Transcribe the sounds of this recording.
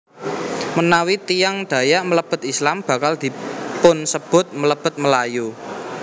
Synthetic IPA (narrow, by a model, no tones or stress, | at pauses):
mənawit̪ijaŋd̪̥ä̤jamələb̥ə̤t̪̚islamb̥ä̤kald̪̥i̤pʊnsəb̥ʊ̤t̪̚mələb̥ə̤t̪̚məlaju